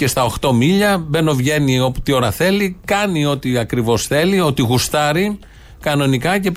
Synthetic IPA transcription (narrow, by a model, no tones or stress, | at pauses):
ce̞st̪ɐo̞xt̪o̞miʎɐbe̞no̞vʝe̞nio̞po̥t̪io̞ɾɐθe̞likɐnio̞t̪iɐkɾivo̞sθe̞liot̪iɣust̪ɐɾi | kɐno̞nikɐce̞p